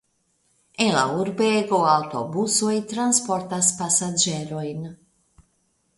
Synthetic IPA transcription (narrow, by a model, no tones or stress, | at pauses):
ela̰uɾbeɡoawt̪o̰busojt̪ɾanspo̞ɾt̪aspasad͡ʒeɾo̞jn